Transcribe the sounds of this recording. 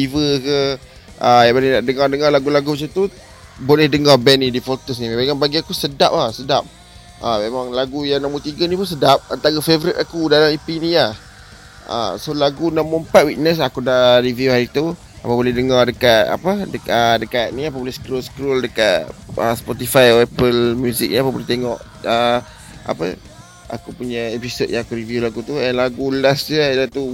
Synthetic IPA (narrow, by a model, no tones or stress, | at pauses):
ivəkə | ʔajabonenaʔdəŋardəŋarlaɡulaɡumat͡ʃamt̪u | bolɛhdəŋabɛnĩdifɔt̪əsnimemakanbaɡiakusədap̚asədap̚ | ʔamemãŋlaɡujaŋnaʔmut̪iɡənĩpuns̬ədap̚ənt̪aɡafevəɾit̪akudalamipiniah | ə̰solaɡunaʔmuəmpat̪̚wiʔ̚nəs̬akudariviuhaɾit̪u | apəbolɛhdəŋardəkat̪̚a̰pədəədəkaʔ̪̚niapəbolɛhsə̥kɾolsə̥kɾoldəkat̪̚əspɔt̪ifajoɛpəlmjuzḭk̚niapəbolɛht̪eŋɔʔ | ə | ʔa̰pə̰ | a̰kupuɲəepisod̚jaŋakuɾiviulaɡut̪uɛnlaɡulasd͡ʒədat̪u